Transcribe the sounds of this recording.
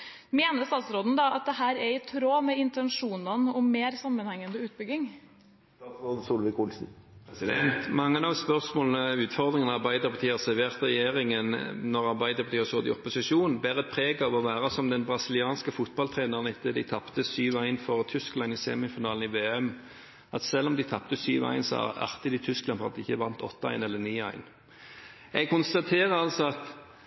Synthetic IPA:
meːnəst̪ɑːt̪sɾoːd̪n̩d̪ɑʔɑt̪̚d̪ɛhæːɾɛɪt̪ʰɾoːmɛɪnt̪ɛnʂuːnɑnʔɔmːeːɾsɑmːənhɛŋːənd̪əʉːt̪̚bʏɡɪŋ | soːd̪̩suːlʋɪkʊlsn̩ɛnt̪mɑŋːənɑʋspœʁsmoːlnəʉːt̪fɔʁd̪ʁɪŋənəɑʁbæɪd̪əʁpʰɑt̪ʰiːɑsɛʋeːʁt̪əʁɛjeːʁɪŋənnɔʁɑʁbæɪd̪əɾpɑt̪iːəsɔːd̪ɪ̰ɔpʊsɪʂuːnn̩bæːʁəɛt̪̚pʰʁeːɡɑʋɔʋæːʁəsɔmd̪ɛnbʁɑsɪlɪɑːnskəfʊt̪̚bɑlt̪ʰʁeːnəʁənɪt̪ːəd̪ɪt̪ʰɑpt̪əsyːʋæɪnfɔʁət̪ʰʏsklɑnɪseːmɪfɪnɑːln̩ɪʋeːɛm | ɑt̪sɛlːɔmd̪ɪt̪ʰɑpt̪əsyːʋæ̰ɪnsɔɑ̰ɑ̰ʁt̪ɪd̪ɪt̪ʰʏsklɑnfɔʁɑ̰t̪ɪçːəʋɑnt̪ʰɔ̰t̪ːəæ̰ɪnɛlːəniːæ̰ɪn | ɛɡ̚kʊnst̪ɑt̪ʰeːʁəɾɑlsɔɑt̪

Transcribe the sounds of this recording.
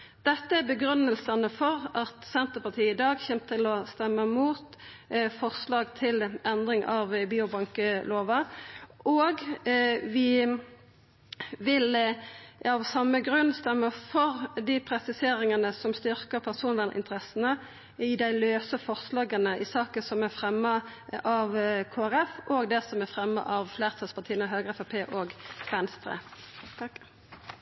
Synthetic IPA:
d̪̥ɛt̪ːəæʁbəɡɾʉnːəlsənəfɔʁɑt̪sɛnt̪əʁpɑt̪ʰiːəɪd̪ɑːɡçɛmt̪ʰɪlɔst̪ɛmːəmuːt̪ | fɔʁslɑːɡt̪ʰɪlɛnd̪ʁɪŋʔɑʋbiːʊbɑŋkəloːʋɑʔʔoːɡ | ʋɪ | ʋɪl | ɑʋsɑmːəɡʁʉnːst̪ɛmːəfɔʁd̪ɪpʰɾɛsɪseːɾɪŋənəsɔmst̪ʏɾkəɾpʰæʁsuːnʋænəʔɪ̰t̪əɾʁɛsənə | ɪd̪æɪløːsəfɔʁslɑːɡənəʔɪsɑːkəsɔmæʁfɾɛmːə | ɑʋkʰoːæʁɛfʔɔːɡd̪ɛsɔmæfɾɛmːə̰ʔɑʋflæːʁt̪sɑspɑʁt̪ʰiːənəɦøːɡəɛfɑpʰeːʔoːɡʋɛnst̪ʰɾḛː

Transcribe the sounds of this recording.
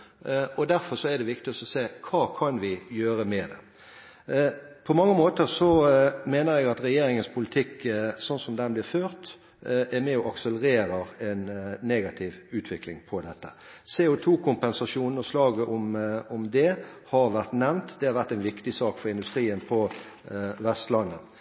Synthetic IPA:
ɔd̪æɾfɔɾsɔæd̪ɛʋɪkt̪ɪɔsɔseːkʰɑːkʰɑnʋɪjøːɾəmɛd̪ɛ̰ | pʰɔmɑŋːəmoːt̪əɾsɔmeːnəɾjɛɡɑt̪ɾɛjeːɾɪŋənspʰʊlɪt̪ʰɪkːsɔnsɔmd̪ɛnblɪɾføːɾt̪ | ʔæmɛɔʔɑksələɾeːɾəɛnːeːɡɑt̪ʰɪʋʉːt̪ʰʋɪklɪŋpʰɔd̪ɛt̪ːə | seːʊt̪ʰuːkʰʊmpɛnsɑʂuːnn̩ɔslɑːɡəʔʊmʊmd̪ɛhɑɾʋæʁt̪nɛʋnt̪d̪ɛhɑɾʋæʁt̪ɛnʋɪkt̪ɪsɑːkfɔɾɪnd̪ʉst̪ɾiːənpʰɔ | ʋɛst̪lɑnːə

